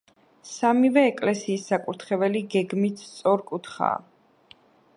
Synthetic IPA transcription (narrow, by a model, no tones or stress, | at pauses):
samivɛːkʼlɛsiːsːakʼuɾt̪ʰχɛvɛliɡɛɡmit̪ʰt̪sʼɔɾkʼut̪ʰχa̰ː